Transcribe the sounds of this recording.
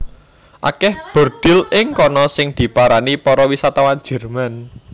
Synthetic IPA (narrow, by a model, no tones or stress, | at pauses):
ʔa̰kɛhb̥ə̤rd̪̥ɪ̤lɪŋkɔnɔsɪŋd̪̥i̤paɾanipɔɾɔwisat̪ɔwḁd͡ʒ̥ə̤rman